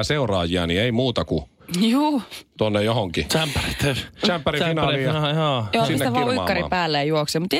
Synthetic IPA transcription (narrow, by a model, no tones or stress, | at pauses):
seurɑːjiɑnieimuːt̪ɑku | juːt̪onːejohoŋkit͡ʃæmpːærit̪ːt͡ʃæmppːærifinɑliɑjoːjoːsisːeʋiuikːɑripæːlːejɑjuoksemut̪